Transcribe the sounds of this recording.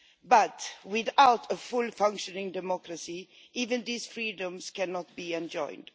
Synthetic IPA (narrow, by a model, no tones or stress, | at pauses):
bʌtwɪðaʊtʰəfʊlˠfʌ̃ŋkʃɔnɪ̃ŋdɛmɔkɹasi | ʔivɨ̃nðiːsfɹiːdə̃mskʰænɔt̚b̥iɛ̃nd͡ʒɔ̰̃ɪ̃nd̥